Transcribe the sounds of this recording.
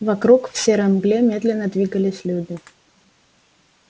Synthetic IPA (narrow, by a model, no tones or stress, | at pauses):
vɐkɾukfsʲeɾɐmɡlʲemʲe̞d̪lʲɪnːəd̪vʲiɡəlʲɪsʲlʲudʲɪ